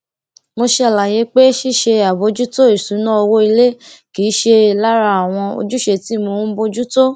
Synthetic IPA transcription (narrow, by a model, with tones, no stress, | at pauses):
mo˧ʃe˧a˨la˨je˨˦k͡pe˦ʃi˦˨ʃe˧a˨bo˨˧˦d͡ʒu˦to˦i˨sũ˨˦nã˦o˧wo˦i˧le˦kiː˨˦ʃe˧˨˦la˦ɾa˧a˨w̃ɔ̃˧o̰˧d͡ʒu˦ʃe˧ti˨˦˨mõ˧˦bo˧d͡ʒu˦to˦